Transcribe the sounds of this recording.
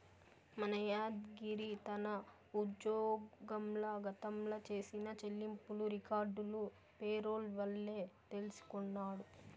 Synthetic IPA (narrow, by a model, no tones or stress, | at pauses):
mɐnɐjaːd̪ɡiɾit̪ɐnɐ | ud̪jɔːɡɐmlɐɡɐt̪ɐmlɐt͡ʃe̞ːsinɐt͡ʃelːimpuluɾikaːɾɖulu | peːɾoːlʋɐlːe̞ːt̪elisu̥kunːaːɽu